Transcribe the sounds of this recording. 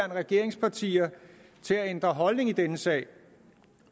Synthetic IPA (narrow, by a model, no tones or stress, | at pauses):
ɐnəʁɛɡ̥e̝ɐ̰e̝ŋspʰɑ̈t͡sʰḭːɐ | t͡sʰe̝læend̥ʁɐɦɒ̽lne̝ŋid̥enəsɛ̰ːɪ